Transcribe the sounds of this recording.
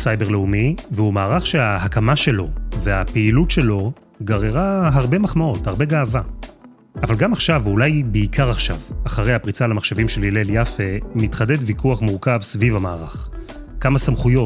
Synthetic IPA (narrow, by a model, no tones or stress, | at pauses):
sajbe̞ʁleumiveumaːʁaχʃeahakamaʃe̞lo̞ve̞apeilutʃe̞lo̞ | ɡaʁeʁaɦaʁbe̞maχmao̞thaʁbe̞ɡaːva | avalɡamaχʃavulajbeikʰaʁaχʃa̰vaχaʁe̞jhapʁit͡salamaχʃavimʃe̞lileljafe̞mitχade̞dvikʰuaχmuʁkavsvivamaːʁa̰χ | kamasamχujo̞